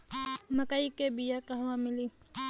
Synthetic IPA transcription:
məkaikebijakəɦʋãmɪli

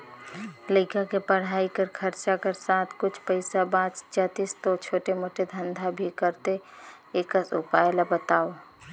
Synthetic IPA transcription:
ləɪkakepəɽ̤aːikəɾkʰəɾt͡ʃakeɾsaːt̪ʰkʊt͡ʃʰpəɪsabãːt͡ʃd͡ʒaːt̪ist̪ot͡ʃʰoːʈemoːʈed̪ʱə̃nd̪ʱabʱikəɾt̪e | eːkəsʊpaːjlabət̪aːo

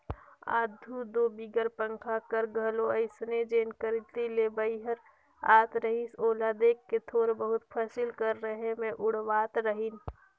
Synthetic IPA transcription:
a̰ːd̪ʱud̪obiɡəɾpə̃ŋkʰakəɾɡʱəloəɪsned͡ʒeːnkəɾit̪ilebəɪɦəɾ | aːt̪ɾəɦisoːlad̪eːkːet̪ʰoːɾbəɦʊt̪pʰəsilkəɾːəɦemẽʔʊɽ̤ʋaːt̪ɾəɦin

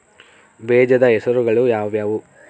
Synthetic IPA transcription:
bɛːd͡ʒɐd̪ɐɛsɐɾuɡɐɭujaːʋjaːʋu

